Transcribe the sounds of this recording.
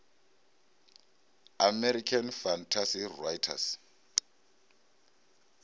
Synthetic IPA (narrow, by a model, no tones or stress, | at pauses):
amɛɾikʰanfantʰasirajtʰa̰s